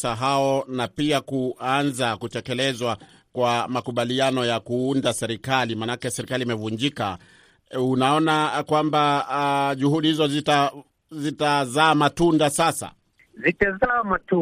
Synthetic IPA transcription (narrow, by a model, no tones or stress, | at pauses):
saɦaɔnapiakuanzakutɛkɛlɛzwa | kwamakuɓalianɔjakuundasɛɾikalimanakɛsɛɾikaliːmɛvuɲd͡ʒika | unaɔnakwamba | ʄuhuɗihizɔzita | zitazaːmatundasasa̰ | zitɛzamatu